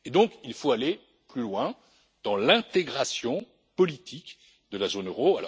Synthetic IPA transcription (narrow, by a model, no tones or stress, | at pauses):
ed̪ɔ̃kilfoale | plylwɛ̃ | d̪̥ɑ̃lɛ̃t̪eɡʁasjɔ̃ | pɔlit̪ʰik | d̪əlazonøʁoalɔ̰